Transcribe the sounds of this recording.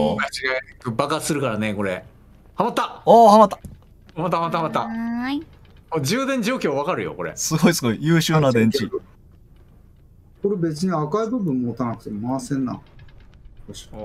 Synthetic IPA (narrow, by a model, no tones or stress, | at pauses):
at͡ɕiɡakbakasɨɾɯ̟kaɾane̞ko̞ɾe̞ | hamat̪ːaoːhamat̪ːḁ | hamat̪ːahamat̪ːahamat̪ːa | mod͡ʑɨːd̪ẽɲ̟d͡ʑo̞ːkʲo̞ːβakaɾɯjo̞̰ko̞ɾḛsɨɡo̞isɨɡo̞ijɯːɕɨːnad̪ẽ̞ɲt͡ɕi | ko̞ɾe̞be̞t͡sɨɲ̟iakaibɯ̟bɯ̟̃mːoːt̪anakɯ̟t̪e̞momasẽnːã̰